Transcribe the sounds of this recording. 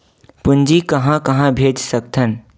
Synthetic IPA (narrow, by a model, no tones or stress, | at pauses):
pʊnd͡ʒikəɦãkəɦãbʱed͡ʒsəkt̪ʰən